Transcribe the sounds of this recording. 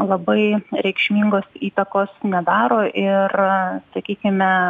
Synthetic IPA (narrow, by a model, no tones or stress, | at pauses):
lˠɐbɐɪɾʲɛɪkʃʲmʲiŋɡoːsiːt̪ɐkoːsnʲɛd̪ɑːɾoːʔɪrsɐkʲiːkʲɪmʲɛ